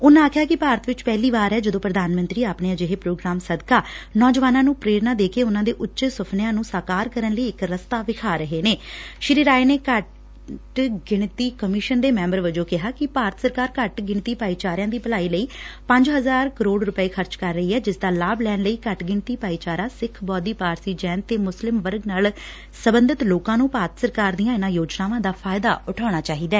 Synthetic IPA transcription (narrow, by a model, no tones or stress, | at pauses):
ʊnãːkʰjaːkɪpaːɾət̪ʋɪt͡ʃpɛɦliːʋaːɾɦɛːd͡ʒəd̪õːpɾəd̪aːnmənt̪ɾiːaːpɳeãːd͡ʒeɦeːpɾoːɡɾaːmsəd̪kaːnɔːd͡ʒʋaːnãːnũːpɾeːɾnãːd̪eːkeːʊnãːd̪eːʔʊtːʃesʊpʰnɪjãːnũːsaːkaːɾkəɾənləiːɪkɾəst̪aːʋɪkʰaːɾəɦeːneːʃɪɾiːɾaːeneːkə | ʈɡɪɳt̪iːkəmɪʃənd̪eːmɛ̃ːmbəɾʋəd͡ʒoːkɪɦaːkɪpaːɾət̪səɾkaːɾkəʈɡɪɳt̪iːpaːiːt͡ʃaːɾjãːd̪iːpəlaːiːləiːpə̃ɲd͡ʒɦəzaːɾkəɾoːɽɾʊpəeːkʰəɾt͡ʃkəɾːəɦiːɦɛːd͡ʒɪsd̪aːlaːblɛːnləiːkəʈɡɪɳt̪iːpaːiːt͡ʃaːɾãːsɪkʰbɔːd̪iːpaːɾsiːd͡ʒɛːnt̪eːmʊslɪmʋəɾɡnaːl | səbənd̪ɪt̪loːkãːnũːpaːɾət̪səɾkaːɾd̪ijãːɪnãːjoːd͡ʒnaːʋãːd̪aːpʰaːɪd̪a̰ːʊʈʰaːɽ̃aːt͡ʃaːɦiːd̪aː